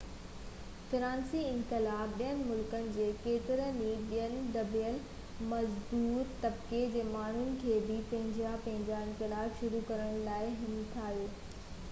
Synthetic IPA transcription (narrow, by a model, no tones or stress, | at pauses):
fɪɾãːnsiɪ̃nkɪlaːb̚ɓijənɪ̆mʊlkənɪ̆d͡ʑeːkeːt̪ɪɾəniɓijənɪ̆d̪ɐbijəl | mɐzd̪uːɾt̪ɐbked͡ʑeːmaːɳ̤ʊnɪ̆kʰeːbɪpɐ̃ɦɪ̃ɲd͡ʑjapɐ̃ɦɪ̃ɲd͡ʑaɪ̃nkɪlaːbʃʊɾukɐɾəɽ̃laːɪɦɪnt̪ʰaːɦjoː